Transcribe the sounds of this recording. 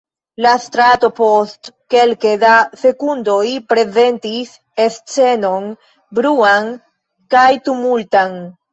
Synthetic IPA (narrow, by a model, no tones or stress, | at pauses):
lastɾato̞po̞st | ke̞lkedase̞kundo̞jpɾe̞ze̞ntis | e̞st͡se̞no̞n | bɾuaŋ | kajtumultan